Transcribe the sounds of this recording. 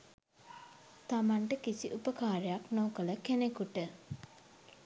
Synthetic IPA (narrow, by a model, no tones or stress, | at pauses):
t̪amaɳʈəkisiʔupəkaːɾejaknoːkələkenekuʈə